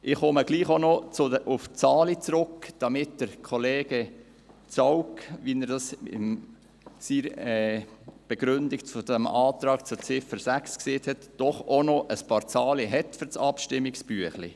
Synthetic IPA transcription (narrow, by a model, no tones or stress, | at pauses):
ʔɪχɔməɡ̥liːχonɔt͡sʊdəʔʊft͡sɑːlit͡sɾʊkd̥ɑmɪt̚d̥əɾkʰɔleːɡ̥ə | t͡sɔwkʋinəɾd̥ɑsɪ̰m | siɾɛːb̥ɛɡ̥ɾʏndɪkfʊdɛmɑːt̪ɾɑːɡt͡sʊt͡sɪfəɾsækskseːtʰhɛtd̥ɔχonɔʔəspɑːɾt͡sɑːliɦɛtfʏɾt͡sɑpʃtɪmːiksb̥yəχlḭ